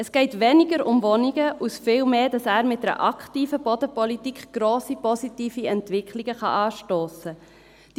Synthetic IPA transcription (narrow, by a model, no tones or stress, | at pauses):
əsɡ̥ɛɪtʋɛniɡəɾʊmvɔniɡəʔusfɪːlmeːd̥ɑsæːɾmɪt̚dɛɾʔɑkχtiːfəb̥ɔdəpɔlitikχɡ̥ɾoːsipɔsitiːfiɛntʋɪkʰliɡəχɑ̰ʔɑːʃtoːsə | d̥